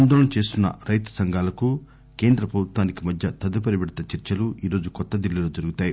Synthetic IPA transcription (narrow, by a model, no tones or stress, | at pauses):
nd̪ɔːɭɐmt͡ʃe̞ːst̪unːɐ̰ɾɐjt̪ɐ̥sɐŋɡʱaːlɐku | ke̞ːnd̪ɾɐpɾɐbʱut̪ʋaːnikimɐd̪ʱjɐt̪ɐd̪upɐɾibiɽt̪ɐt͡ʃɐɾt͡ʃɐluiːɾo̞ːd͡ʒukɔt̪ːɐd̪ilːiloːd͡ʒɐɾuɡut̪aːju